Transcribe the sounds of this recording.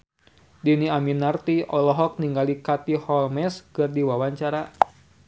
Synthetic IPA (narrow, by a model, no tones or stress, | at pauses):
diniaminːart̪iɔlɔɦɔk̚niŋɡalikat̪ihɔlmɛskɨrdiwawaɲt͡ʃaɾa